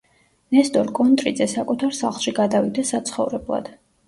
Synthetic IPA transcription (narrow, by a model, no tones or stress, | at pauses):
nɛst̪ʼɔɾkʼɔnt̪ʼɾid̪zɛsakʼut̪ʰaɾsaχlˠʃiɡad̪avid̪ɛsat̪sʰχɔvɾɛblˠa̰d̪̥